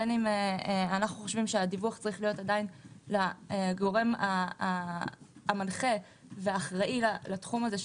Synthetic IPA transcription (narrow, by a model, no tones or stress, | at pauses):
enimeanaχnuχo̞ʃvimʃeadivuaχt͡saʁiχlijo̞tadainlaeɡo̞ʁe̞ma | manχe̞ | veaːχʁaʔilalatχumaze